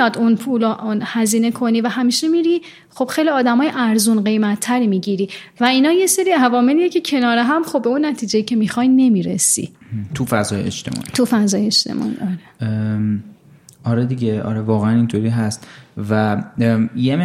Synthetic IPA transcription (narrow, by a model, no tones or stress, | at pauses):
ɒːd̪unpʰulɔʔnhæziːne̞kʰo̞niːvæɦæmiːʃemiɾi | χo̞b̥xe̞jliɒːd̪æmɒːjeʔæɾzunɢe̞jmæt̪ʰːæɾimiɟiɾiːvæinɒːje̞se̞ɾiːævɒːme̞liːjecʰe̞cʰe̞nɒːɾeɦæmxo̞bbːeunːæt̪ʰiːd͡ʒejicʰe̞mixɒjne̞miːɾḛsḭt̪ʰufæzɒːjḛḛt͡ʃt̪ʰem̰ːt̪ʰufæzɒːjeʃt̪ʰḛmʔɒ̰ːḭʔɒɾe | ɒɾed̪iɟeʔɒ̰ɾevɒːɣeænint̪ʰoɾiːɦæst̪væ | jeme